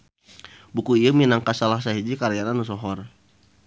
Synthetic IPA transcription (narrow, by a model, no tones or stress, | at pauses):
bukuijuminaŋkasalasaɦid͡ʒikaɾijananus̬ɔɦɔr